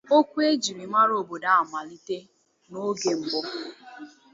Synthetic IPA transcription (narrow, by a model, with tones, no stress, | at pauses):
o˦kʷu˦e˦d͡ʒi˨ɾi˨ma˦ɾo˨bo˨da˦a˨ma˨li˦te˦ | no˦ɡe˨m̩˨bɔ˦